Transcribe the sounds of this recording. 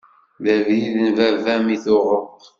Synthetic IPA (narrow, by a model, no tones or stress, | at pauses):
ðævjiðənvævæmiθʊʁəqː